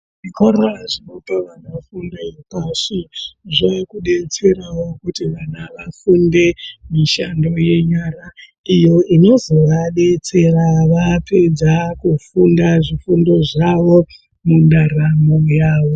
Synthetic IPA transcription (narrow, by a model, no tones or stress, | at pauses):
ʐikoɾoaʐinopaʋanafundaipaʂiʐoekuɗe̞t͡se̞ɾawo̞kutiʋanaʋafunde̞miʃando̞je̞ɲara | ijo̞ino̞zo̞ʋaɗe̞t͡se̞raʋapʰe̞d͡zakufundaʐifundo̞ʐaʋo̞ | mundaramojaːʋo̞